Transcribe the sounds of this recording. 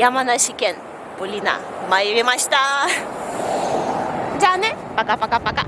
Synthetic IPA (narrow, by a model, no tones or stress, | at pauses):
jamanasikɛn | pulina̰ | maiwemaʃt̪a | d͡ʒanɛ | pakapakapaka